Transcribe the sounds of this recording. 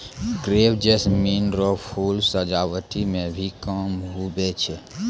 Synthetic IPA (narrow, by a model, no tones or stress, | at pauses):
ɡɾeːwd͡ʒesminɾɔpʰulsəd͡ʒawət̪imẽbʱikəmɦubet͡ʃʰɛ